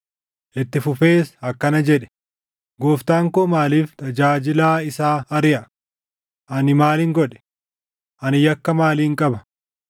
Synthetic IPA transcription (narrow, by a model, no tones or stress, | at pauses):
ʔɛt̪ːɪfʊfe̞ːsɐkːɐnɐd͡ʒɛᶑɛ̥ | ɡoːft̪aːŋkoːmaːliːft̪ʰɐd͡ʒaːd͡ʒɪlaːɪsaːɐɾɪʔɐ | ʔɐnɪmaːlɪŋɡɔᶑɛ̥ | ʔɐnɪjɐkːɐmaːliːŋkʼɐbɐ̥